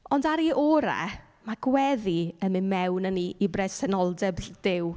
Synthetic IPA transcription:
ɔndaɾiʔɔɾa̰ | maɡ̥wɛðiənmɨnmɛwnəniibrɛsɛnɔlˠdɛbd̥ɪw

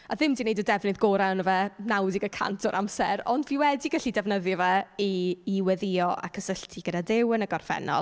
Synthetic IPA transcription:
aðɪmdinejdədɛvnɨðɡoːɾanəvɛnawdɪɡəkʰa̰ntʰɔɾʔamsɛɾɔ̰ndviːwɛdiɡaɬidɛvnəðjɔvɛiːwɛðɪɔʔa̰kʰəsəɬtʰiɡ̥ədadɪwənəɡɔrfɛ̰nɔ̰lˠ

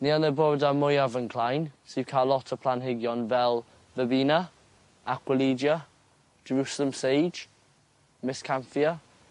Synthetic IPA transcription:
niːanðəbɔɹdamʊjavənkʰl̥ajnsivkʰalˠɔtʰəpʰlanɦɪɡjɔnvɛlˠ | vəbiːnə | akʰwəliːd͡ʒjə̥ | d͡ʒəɹusələ̃msejd͡ʒ | mɪskʰaɱfiə

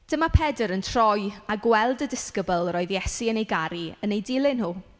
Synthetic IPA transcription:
d̥əmapʰɛdəɾəntʰr̥ɔjaɡwɛlˠdədɪskəbəlˠɾɔːɨðjɛsiənejɡaɾiənejdɪlˠɪnhuː

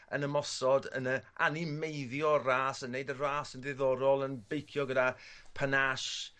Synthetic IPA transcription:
ə̰nəmɔsɔdə̰nəʔa̰nɪmejðjɔraːsənːeɨdəraːsəndɪðɔɾɔlˠənbejkʰjɔɡədapʰənaʃ

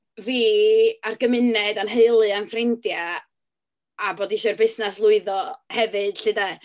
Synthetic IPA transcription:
viːarɡəmɪnɛdanɦeɨlˠɨanfrɪndja | boːdiʃɔrbɪsnaslˠʊɨðɔhɛvɨd̥ɬɨda

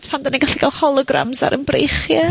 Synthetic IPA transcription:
tpʰandaniɡaɬiɡalˠhɔlˠɔɡra̰mza̰ɾʔəmbrḛjχja

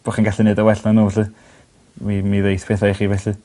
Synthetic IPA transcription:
b̥oχinɡaɬɛnɨdəwɛɬnanuːɬɨ | mimiðejθpʰeːθajχiːvɛɬɨ

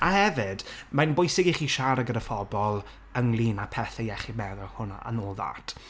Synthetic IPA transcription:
ahɛvɪd̥manbʊjsɪɡiχiːʃaɾaɡəɾəfɔbɔlˠ | əŋlˠiːnapʰɛθɛjɛχimɛðɔlˠhʊna̰ʔa̰noːlˠða̰ːtʰ

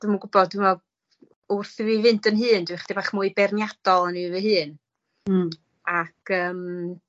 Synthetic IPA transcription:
d̥wmuɡʊbɔd̚ɪma | ʊrθvivɨntʰənɦɨːndwɪχd̥ibaːχmuɨbɛrnjad̥ɔlˠənivəɦɨːn | akʰəːm

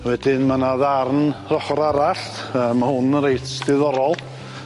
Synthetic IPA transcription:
wɛdɪnmanaðarnrɔχɔɾaɾaɬtəːmahʊnəɾejtʰdɪðɔɾɔlˠ

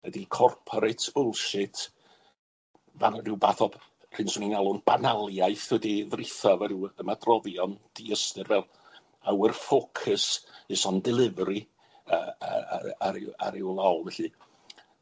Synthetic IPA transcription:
ɛdikʰɔrpʰɔɾɪtʰʊlˠʃɪtʰ | vanrɪwbaːθɔb̥ | r̥ɨnsʊninalˠʊnb̥analˠjajθwɛdiðrɪθɔvaɾɪwəmadrɔðjɔnd̥iəstɨrvɛlˠ | awərfokʰəsɨsɔndɪlˠɪvɾi | əa̰aɾa̰ɾɪwlˠɔlˠvɛɬɨ

